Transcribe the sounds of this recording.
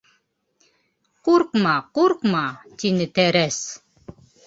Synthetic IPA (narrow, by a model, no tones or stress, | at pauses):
quɾqmɑquɾqmɑt̪inɘ̆t̪æɾæs